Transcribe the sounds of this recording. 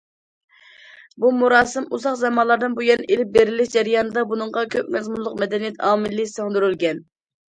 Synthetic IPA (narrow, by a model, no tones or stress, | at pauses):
bumuɾɑːsɨmuzɑqzɛmɑnlˠɑɾd̪ɨnbujɛnelɪp̚beɾɪlɪʃd͡ʒɛɾijɑːnɨd̪ɑbunɨɴʁɑkʲʰøp̚ʲmɛzmunlˠʊqmɛd̪ɛnijɛt̪ʰɑːmɪlːɪsøŋd̪yɾylɡʲɛn